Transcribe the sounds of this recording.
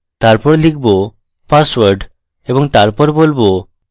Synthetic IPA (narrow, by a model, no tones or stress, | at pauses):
t̪aɾpɔɾlik̚ʰbo | paswaɾɖ | eboŋt̪aɾpɔɾebolbo